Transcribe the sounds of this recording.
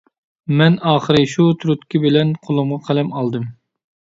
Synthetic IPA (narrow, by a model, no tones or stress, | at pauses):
mɛnɑːχəɾɨʃut̪ʰɾut̪kʲibɪlɛnqʰolˠʊmʁɑqʰælɛmɑlˠd̪ɨm